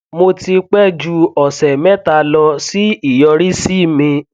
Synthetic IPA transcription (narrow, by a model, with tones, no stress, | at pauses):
mo˧ti˧k͡pɛ˦d͡ʒu˧ɔ˨sɛ˨mɛ˦ta˧lɔ˧si˦i˦˨jɔ˧ɾi˦si˦˨mĩ˧